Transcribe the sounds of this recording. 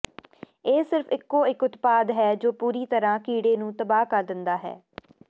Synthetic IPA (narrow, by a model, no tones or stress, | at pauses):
eːsɪɾfʰɪkːõːɪkʊt̪paːd̪ɦɛːd͡ʒoːpuːɾiːt̪əɾãːkiːɽeːnũːt̪əbaːkəɾd̪ɪnd̪aːɦɛ̰ː